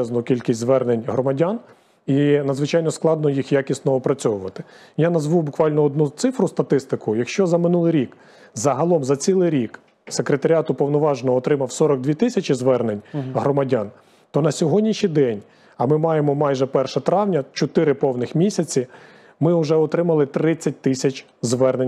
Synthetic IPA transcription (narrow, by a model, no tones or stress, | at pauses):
ɛznɔkʲilʲkʲisʲt̪ʲzʋɛrnenʲɦɾɔmɐdʲan | inɐd̪zʋɪt͡ʃɑjnɔsklˠɑd̪nɔjixjakʲisʲt̪nɔɔpɾɐt͡sʲɔʋʊʋɐt̪ɪ̥ | janɐzʋubʊkʋɑlʲnɔɔd̪nut̪sɪfɾʊst̪ɐt̪ɪst̪ɪkʊjɐkʃt͡ʃɔzɐmɪnulˠɪjɾʲik | zɐɦɐlˠɔmzɐt͡sʲilˠɪɾʲik | sekɾet̪ɐɾʲɑt̪ʊpɔwnɔʋɑʒenɔːt̪ɾɪmɐwsɔɾɔɡ̚d̪ʲʋʲit̪ɪsʲɐt͡ʃɪzʋɛrnenʲɦɾɔmɐdʲan | t̪ɔnɐsʲɔɦɔdʲnʲiʃijd̪ɛnʲ | ɐmɪmɑjemɔmɑjʒɛpɛrʃɐt̪ɾɑwnʲɐt͡ʃɔt̪ɪɾɪpɔwnɪxmʲisʲɐt͡sʲi | mɪʊʒɛɔt̪ɾɪmɐlˠɪt̪ɾɪt͡sʲːɐt̚ʲt̪ɪsʲɐt͡ʃʲ | zʋɛrnenʲ